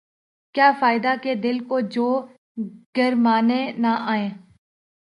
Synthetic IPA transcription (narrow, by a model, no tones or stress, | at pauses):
kjaːfaːɪd̪aːkeːd̪ɪlkoːd͡ʒoː | ɡ̥əɾmaːneːnaːʔaːẽː